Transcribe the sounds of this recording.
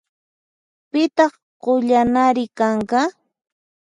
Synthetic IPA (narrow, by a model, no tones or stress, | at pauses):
pɪt̪ɑχ | qoʎanaɾɪkɑɴɢɑ